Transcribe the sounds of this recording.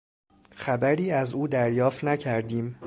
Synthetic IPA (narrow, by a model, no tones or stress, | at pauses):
xæbæɾiːæzuːd̪æɾjɒːft̪næcʰæɾd̪iːm